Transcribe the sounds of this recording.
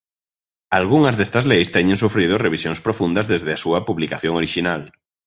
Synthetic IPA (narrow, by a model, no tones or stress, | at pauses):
alɣ̞uŋazðest̪azlejst̪eɲẽŋsufɾið̞oreβ̞isjoŋspɾofũnd̪azðezðeasuapuβlikaθjoŋoɾiʃinal